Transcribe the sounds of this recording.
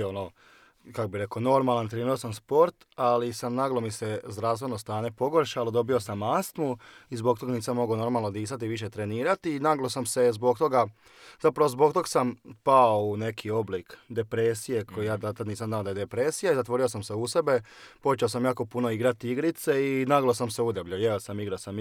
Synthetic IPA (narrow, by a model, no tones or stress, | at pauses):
ono | kakobiɾe̞kono̞ɾmalˠant̪ɾeniɾosamspo̞ɾt̪alisamnaɡlˠomisezd̪ɾaːfst̪ʋe̞nost̪aːɲepo̞ɡoɾʃalod̪o̞bio̞samːast̪muizbo̞k̚t̪o̞ɡaniːsamːo̞ɡono̞ɾmalˠnod̪iːsat̪iʋiʃ̬e̞t̪ɾeniːɾat̪iːnaɡlˠosamse̞zbo̞ɡ̚t̪o̞ɡa | zapɾaʋo̞zbok̚t̪o̞ksampaoune̞kʰio̞blikd̪e̞pɾesije̞kʰojijaːd̪at̪at̪niːs̬amd̪naːod̪aje̞d̪epɾesijaizat̪ʋo̞ɾiosamseusebe̞po̞t͡ʃeos̬amjaːko̞puno̞iɡɾat̪iiɡɾit̪seinaɡlˠosamse̞ud̪ablʎajeosamiɡɾasam